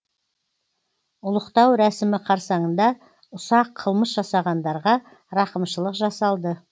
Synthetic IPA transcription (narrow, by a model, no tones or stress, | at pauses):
ʊlˠəqt̪ɑwɾæsɪmɪqʰɑɾsɑɴənd̪ɑ | ʊsɑqʰːəlˠməsʒɑsɑʁɑnd̪ɑɾʁɑ | ɾɑqəmʃəlˠəqʒɑsɑlˠd̪ə